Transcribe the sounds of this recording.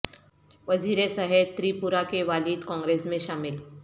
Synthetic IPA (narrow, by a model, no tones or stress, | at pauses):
ʋɐziːɾesaɦɛt̪ɾiːpuɾakeʋaːlid̪kɔ̃ːŋɡɾeːsmẽʃaːmɪl